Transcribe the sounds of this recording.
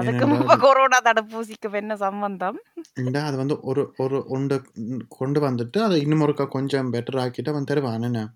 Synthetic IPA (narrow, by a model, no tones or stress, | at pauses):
ɐðɯkːɯmʊmbɐkoɾoːnat̪ɐɽɯpːuːsɪkːɯmɛnːɐsɐmbɐnd̪ɐmɛnɖaɐðɯʋɐnd̪ɯʔɔɾɯɔɾɯʔɔɳɖɯkɔɳɖɯʋɐnd̪ɯʈːɯɐðɐɪnːɯmɔɾɯkːaːkɔɲd͡ʒɔ̃bɛʈːɐɾaːkːiʈːɯɐʋɐnd̪ɯt̪ɛɾɪʋaːnɛnːɐ